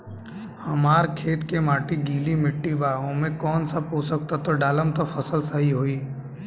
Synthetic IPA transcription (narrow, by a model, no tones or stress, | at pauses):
həmaːɾkʰeːt̪kemaːʈiɡiːlimɪʈːibaːomẽkɔːnsabposək̚t̪at̪oɖaːləmt̪opʰəsəlsəɦiɦoːiː